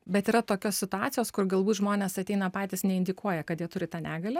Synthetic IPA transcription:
bʲɛt̪iːɾɐt̪oːkʲoːsʲsʲɪt̪ʊɑːt̪sʲɪjoːskʊrɡɐlˠbuːt̪ʒmoːnʲeːsɐt̪ʲɛɪnɐpɑːt̪ʲɪsnʲɛɪnʲd̪ʲɪkuɔjɛkɐt̪jiɛt̪ʊɾʲɪt̪ɑːnʲæːɡɐlʲɛ

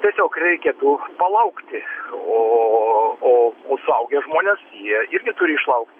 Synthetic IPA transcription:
t̪ʲiɛsʲoːkrʲɛɪkʲeːt̪ʊpɐlˠɐʊkt̪ʲɪoː | oːoːsʊɐʊɡʲɛʒmoːnʲeːsjiɛɪrʲɡʲɪt̪ʊɾʲɪɪʃlˠɐʊk̚t̪ʲɪ

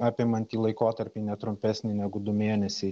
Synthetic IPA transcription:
ɑːpʲemɐnʲt̪ʲiːlˠɐɪkoːt̪ɐɾʲpʲinʲɛt̪ɾʊmʲpʲɛsʲnʲɪnʲɛɡʊd̪ʊmʲeːnʲɛsʲɛɪ

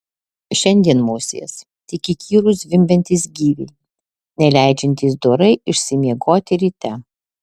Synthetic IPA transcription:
ʃʲɛnʲd̪ʲiɛnmoːsʲḛjɛs | t̪ʲɪkʲɪkʲʰiːɾʊsʋʲɪmʲbʲɛnʲt̪ʲiːs̬ɡʲiːʋʲɛɪ | nʲɛlʲæˑɪd͡ʒʲɛnʲt̪ʲiːs̬d̪oɾɐɪɪʃʲsʲɪmʲiɛɡoːt̪ʲɪɾʲiːt̪ʲɛ

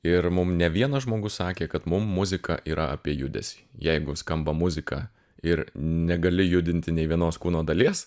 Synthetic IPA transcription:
ɪɾmʊmnʲɛʋʲiɛnɐʒmoːɡʊssɑːkʲeːkɐt̪mʊmːʊzʲɪkɑ̰ʔiːɾɐɐpʲiɛjʊd̪ʲɛ̰sʲiːjɛɪɡʊskɐmbɐmʊzʲɪkɑ̰ː | ɪɾnʲɛɡɐlʲɪjʊd̪ʲɪnʲt̪ʲɪnʲɛɪʋʲiɛnoːskuːnoːd̪ɐlʲiɛs

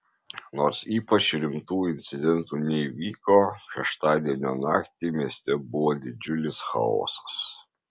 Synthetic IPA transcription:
noːɾsiːpɐt͡ʃɾʲɪmt̪uːɪnʲt̪sʲɪd̪ʲɛnt̪uːnʲɛiʋʲiːkoːʃʲɛʃt̪ɑːd̪ʲiɛnʲoːnɑ̰ːkt̪ʲimʲiɛsʲt̪ʲɛbʊʋoːd̪ʲɪd͡ʒʲʊlʲɪsxɐ̰o̰ːsɐ̥s

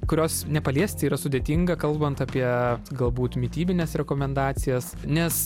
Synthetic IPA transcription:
kʊɾʲoːsnʲɛpɐlʲiɛsʲt̪ʲɪiːɾɐsʊdʲeːt̪ʲiŋɡɐkɐlˠbɐnt̪ɑpʲiɛɡɐlˠbuːt̪mʲɪt̪ʲiːbʲɪnʲɛːsɾʲɛkoːmʲɛnd̪ɑːt̪sʲɪjɛsnʲɛs

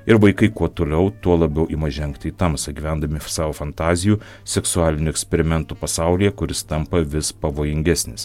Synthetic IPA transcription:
ɪɾʋɐɪkɐɪkuɔt̪oːlʲɛʊt̪uɔlˠɐbʲɛʊʔimɐʒʲɛŋkt̪ʲɪːt̪ɐmsɐɡʲiːʋʲɛnd̪ɐmʲɪsɑːʋoːfɐnt̪ɑːzʲɪjuː | sʲɛksʊɑːlʲɪnʲʊɛksʲpʲɛɾʲɪmʲɛnt̪uːpɐsɑˑʊlʲijɛkʊɾʲɪst̪ɐmpɐʋʲɪspɐʋoːjɪŋʲɡʲɛsʲnʲɪs

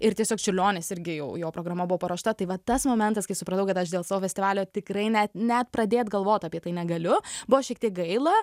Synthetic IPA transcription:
ɪɾt̪ʲiɛsʲoːkt͡ʃʲɪlʲoːnʲeːsɪɾʲɡʲɪjɛʊjoːpɾoːɡɾɐmɐbʊʋɔːpɐɾoːʃt̪ɐt̪ɐɪʋɐt̪ɐsmoːmʲɛnt̪ɐskɐɪsʊpɾɐt̪ɐʊkɐt̪ɐʃd̪ʲeːlˠsɑːʋoːfʲɛstʲɪʋɑːlʲjoːt̪ʲɪkɾɐɪnʲɛt̪nʲɛt̪̚pɾɐd̪ʲeːt̪ɡɐlˠʋoːt̪ɐpʲiɛt̪ɐɪnʲɛɡɐlʲʊbʊʋoʃʲɛkt̪ʲiɛk̚ɡɐɪlˠɐ

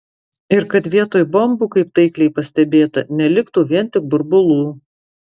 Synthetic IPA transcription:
ɪɾkɐt̪ʋʲiɛt̪oːjbɐmbuːkɐɪp̚t̪ɐɪklʲɛɪpɐsʲt̪ʲɛbʲeːt̪ɐ̰nʲɛlʲɪkt̪uːʋʲiɛnt̪ʲɪk̚bʊɾbʊlˠuː

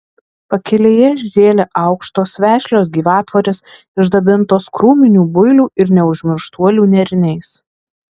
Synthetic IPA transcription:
pɐkʲɛlʲeːjɛʒʲd̪ʲeːlʲɛʔɐʊkʃt̪oːsʋʲæːʃʲlʲoːsɡʲiːʋɑːt̪ʋoɾʲɪs | ɪʒd̪ɐbʲɪnt̪oːskɾuːmʲɪnʲuːbʊɪlʲuːʔɪɾnʲɛʊʒʲmʲɪɾʃt̪uɔlʲuːnʲɛɾʲɪnʲɛɪs

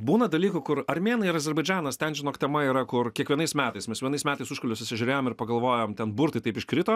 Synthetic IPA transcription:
buːnɐd̪ɐlʲiːkʊkʊɾɐɾʲmʲeːnɐɪɪɾɐzʲɛɾbɐɪd͡ʒʲæːnɐst̪ʲɛnʒʲɪnoːkt̪ʲɛmɐiːɾɐkʊɾkʲiɛkʋʲiɛnɐɪsmʲæːt̪ɐɪsmʲɛsʋʲiɛnɐɪsmʲæːt̪ɐɪsʊʃkɐlʲʊsʲʊsʲɪʒʲʊɾʲeːjoːmɪɾpɐɡɐlˠʋoːjoːmt̪ʲɛnbʊɾt̪ɐɪt̪ɐɪpɪʃkɾʲɪt̪oː

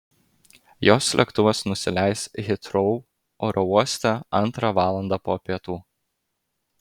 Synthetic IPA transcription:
joːslʲɛ̰kt̪ʊʋɐsnʊsʲɪlʲæɪsɣʲɪt̪ɾɔʊ | oːɾʔɔuɔsʲt̪ʲɛɐnˑt̪ɾɑʋɑːlˠɐnd̪ɑpoːpʲiɛt̪uː

